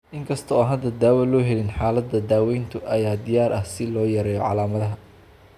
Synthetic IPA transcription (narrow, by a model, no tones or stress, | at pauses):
ʔɪŋkʰɐst̪ʰɔɔːɦɐd̪ɐd̪aːwɐlɔːɦɛlɪnħaːlɐd̪ɐd̪aːwɛjnt̪ʰʊʔɐjaːd̪ɪjaːɾʔɐhsɪlɔːjɐɾɛːjɔʕɑlaːmɐðɐɦɐ